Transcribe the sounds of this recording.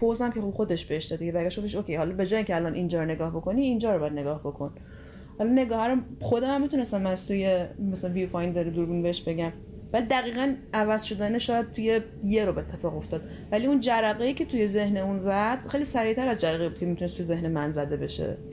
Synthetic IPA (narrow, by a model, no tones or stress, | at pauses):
pʰozæmkʲʰexob̥xod̪e̞ʃb̥eheʃd̪ɒd̪iɡebæɾɡæʃɡoft̪eʃokʰʲejhɒlɒbe̞d͡ʒɒːjiŋcʰʲeælɒnʔind͡ʒɒːɾone̞ɡɒːhbo̞kʰo̞niːnd͡ʒɒːɾobɒjæd̪̚neɡɒːhbo̞kʰo̞n | hɒlɒne̞ɡɒːhæɾomxod̪æmæmːit̪ʰune̞st̪æmːæst̪ʰujemæsælænvifɒjnd̪eɾid̪uɾbunbeheʃbe̞ɟæm | vælid̪æɣiːɣænævæz̥ʃo̞d̪æneʃɒːjæd̪̚t̪ʰuje̞ | jeɾobet̪ʰːefɒːɣo̞ft̪ɒːd̪ | væliund͡ʒæɾæɣejiːcʰe̞t̪ʰujeze̞hneunzæd̪̥xejlisæɾit̪ʰæɾæzd͡ʒæɾæɣebud̪̥̚cʰemit̪ʰunest̪ʰujezehnemænzæd̪ebe̞ʃḛ